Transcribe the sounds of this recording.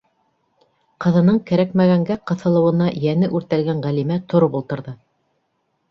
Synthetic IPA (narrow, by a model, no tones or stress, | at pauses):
qɤ̆ðɤ̆nɤɴkæɾækmæɣæŋɡæqɤ̆θɤ̆lˠɤ̆wɤ̆nɑjænɘʔʉɾt̪ælɡæɴʁælimæt̪ŏɾopulˠt̪ɤ̆ɾðɤ